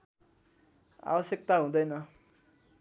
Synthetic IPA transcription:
a̰wʌsek̚t̪aɦũd̪ʌjnʌ

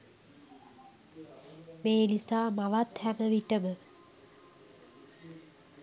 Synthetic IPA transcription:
meːlisaːmaʋat̪hæməʋiʈəmə

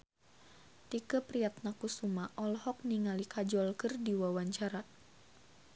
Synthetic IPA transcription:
t̪ikəpɾiat̪̚nakusumaʔɔlhɔk̚niŋalikʰad͡ʒɔlkərdiwawaɲt͡ʃaɾa

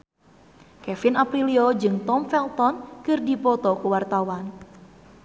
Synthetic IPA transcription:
kɛfɪnapɾiliod͡ʒɨŋt̪ɔmfɛlt̪ɔnkɨrdipɔt̪ɔkuwart̪awan

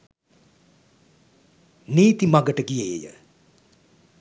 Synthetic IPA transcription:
niːt̪imaɡəʈəɡijejḛjə̰

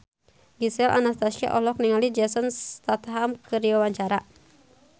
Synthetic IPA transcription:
ɡisɛla̰nast̪asa̰ʔɔlɔk̚niŋalid͡ʒɛsənst̪at̪ɦamkɨɾiwawaɲt͡ʃaɾa

